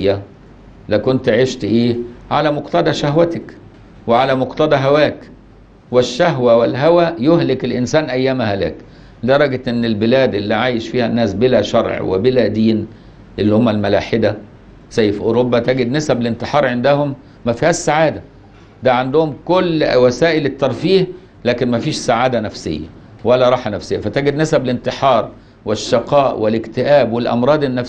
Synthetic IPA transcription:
jːæ | lækont̪ʕeʃt̪ʔeːʕa̰læmoqt̪ɑd̪ˤɑʃæhwæt̪æk | weʕalæmoqt̪ɑd̪ˤɑɦæwæːk | wɪʃːæɦwæwelɦæwæjohlɪkelʔɪnsæːnʔæjːæːmhælæ̰ːk | d̪ɑɾˤɑɡt̪ʔenːɪlbɪlæːd̪ʔɪlːiʕaːjeʃfiːhænːæːsbelæʃɑɾˤʕwḛbɪlæd̪iːn | ʔelːihomːælmælaːħɪd̪æ | sæjːefʔoːɾobːæt̪æɡed̪næsæblɪnt̪eħɑːɾˤʕend̪æhomː | æfihæːʃsaʕaːd̪æ | d̪æʕand̪ʊhʊmkolːwæsæːʔɪlɪt̪ːɑɾˤfiːh | læːkenmæfiːʃsaʕaːd̪ænæfsḛjːæ̰ | wælːæɾˤɑːħanæfsejːæfæt̪æɡed̪næsæblɪnt̪eħɑːɾˤ | wɪʃːɑqɑːʔwɪlɪkt̪ɪʔæːbwelʔɑ̰mɾˤɑːd̪ˤenːæf

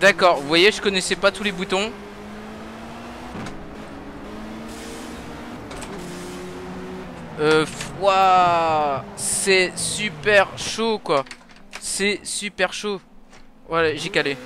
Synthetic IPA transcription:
d̪akɔʁvvwajeʒəkɔnɛsɛpat̪ulebut̪ɔ̃ | øfwa | sɛsypɛʁʃokwa | sɛsypɛʁʃo | walaʒɛkale

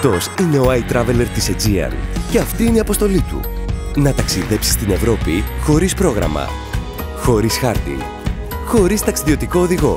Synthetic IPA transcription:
t̪o̞sine̞o̞ɐjt̪ɾɐveleɾt̪ised͡ziɐ̰nce̞ɐft̪iineiɐpo̞st̪o̞lit̪ṵnɐt̪ɐksiðe̞psi̥st̪ine̞vɾo̞pixo̞ɾispɾo̞ɣɾɐ̰mɐ̰ | xo̞ɾisxɐɾt̪ḭ | xo̞ɾist̪ɐksiðio̞t̪iko̞ːðiɣo̞

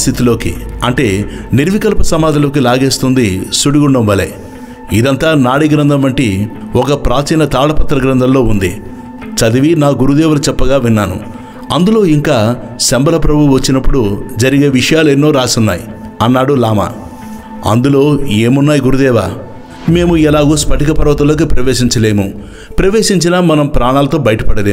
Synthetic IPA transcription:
st̪ʰit̪ilo̞ːkḭɐɳʈe̞ːniɾʋikɐlpɐsɐmaːd̪ʱɐlo̞ːk̬ilaːɡe̞ːst̪und̪isuɽiɡuɳɖɐmʋɐlḛ | id̪ɐnt̪aːnaːɽiɡɾɐnd̪ʱɐmːɐɳʈi | ɔkɐpɾaːt͡ʃiːnɐt̪aːɽɐpɐt̪ːɾɐɡɾɐnd̪ɐmlo̞ːund̪ḭ | t͡ʃɐd̪iʋinaːɡuɾud̪ɛːʋɐlɐt͡ʃɛpːɐɡaːʋinːaːnṵ | ɐnd̪ulo̞ːiŋkaː | sɐmbɐlɐpɾɐbʱuʋɐt͡ʃːinɐpːuɽud͡ʒɐɾiɡe̞ːʋiʂɐjaːlenːo̞ːɾaːsunːa̰ːji | ɐnːaːɽulaːma̰ː | ɐ̰nd̪ulo̞ːeːmunːaːjiɡuɾud̪ɛːʋa̰ː | me̞ːmuɛlaːɡoːspɐʈikɐpɐɾʋɐt̪̬ɐlo̞ːk̬ipɾɐʋeːʃiɲt͡ʃɐle̞ːmu | pɾɐʋeːʂiɲt͡ʃinaːmɐnɐmpɾaːɳaːlɐt̪o̞ːbɐjɐʈɐ̥pɐɽɐd̪eː

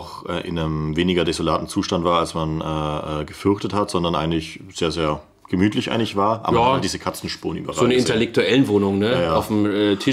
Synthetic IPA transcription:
ʊxʔɛ̰ːʔɪ̰nəmveːnɪɡɐdezolaːtn̩t͡suːʃtantv̥aːɐalsmanʔɛːʔɛːɡəfʏɐçtəthatz̥ɔndɐnʔaɪɡŋ̩tlɪç | z̥eːɐzeːɐ | ɡ̥əmyːtʰlɪçʔa̰ɪŋtɪçv̥aːɐʔa̰ːbjɐadiːzəkʰat͡sn̩ʃpṵːɐənʔy̰ːbɐzaoːnəɪtɛlɛk̚tuɛlən̩voːnʊŋnəajaːaʊfm̩ɛtʰɪ

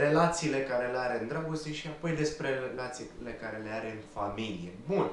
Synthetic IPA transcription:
ɾe̞lat̪siːle̞kaɾe̞leaɾe̞ɨnd̪ɾaɡost̪eʃiapo̞jd̪e̞spɾe̞lat̪sile̞kaɾe̞le̞aɾeɨnfamilije̞bun

